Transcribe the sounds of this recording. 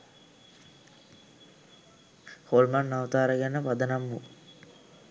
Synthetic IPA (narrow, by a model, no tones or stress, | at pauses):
holmanːaʋt̪aːɾəɡænːəpad̪ənamːu